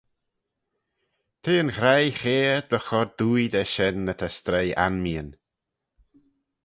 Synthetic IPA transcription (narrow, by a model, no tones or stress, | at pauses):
t̪ʰeːənxɾajxeːd̪ɔxɔɾd̪uːjd̪ɛʃɛnːət̪ʰɛst̪ɾeja̰nmiən